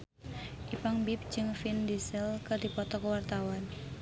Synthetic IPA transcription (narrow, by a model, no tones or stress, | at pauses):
ʔipaŋbip̚d͡ʒɨŋfindisəlkərdipɔt̪ɔkəwart̪awan